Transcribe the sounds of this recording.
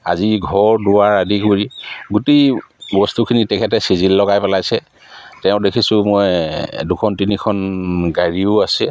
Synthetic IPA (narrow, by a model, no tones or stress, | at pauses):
a̰ziɡʱɔɹdʊwaɹadikuɹiɡutejbɔstukʰinitɛkʰɛtɛsizilːɔɡajpɛlajsɛ | tɛʊ̃dekʰisʊ̃mɔjdukʰɔntinikʰɔnɡaɹiʊasɛ